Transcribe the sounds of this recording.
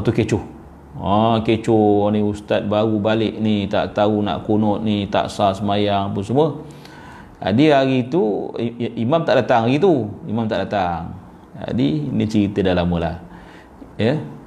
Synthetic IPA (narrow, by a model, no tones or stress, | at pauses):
ot̪uket͡ʃʊh | aket͡ʃʊniust̪at̪̚baɣubalɪk̚nit̪a̰ʔt̪auna̰ʔkunɔt̪̚nit̪a̰ʔsasəmajaŋp̬unsəmuə | a̰diaɣit̪u | imamt̪aʔdat̪aŋaɣit̪uimamt̪aʔdat̪aŋ | a̰dinit͡ʃəɾit̪ədalaməla̰h | jə